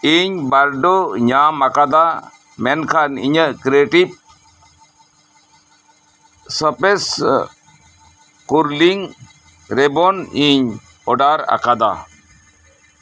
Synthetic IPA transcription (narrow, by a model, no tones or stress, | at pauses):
iɲbaɾɖoɲamakad̪a | mɛnkʰanḭɲəkɾeʈip̚ | səpes | kuɾliŋ | ɾebɔniɲ | ɔɖaɾa̰kad̪a̰